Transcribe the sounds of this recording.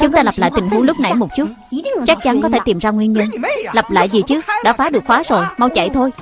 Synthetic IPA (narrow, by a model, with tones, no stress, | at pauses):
t͡ɕʊ˨˦ŋ͡mt̪aː˧lə˨˩p̚la̰ː˧˨jt̪ï˨˩ŋ̟hu˨˦lʊ˦˥k͡p̚na̰˧˩jmo˨˩p̚t͡ɕu˦˥t̚t͡ɕa˦˥k̚t͡ɕa˨˦nkɔ˨˦t̪ʰe˧˩t̪i˨˩mzaː˧ŋwi˧ənɲə˧nlə˨˩p̚la̰ː˧˨jzi˨˩t͡ɕɨ˦˥ək̚ɗa̰ː˧˥faː˨˦ɗɨ˨˩ək̚xwaː˨˦zo˨˩jma˧wt͡ɕa̰˧˩˨jt̪ʰo˧j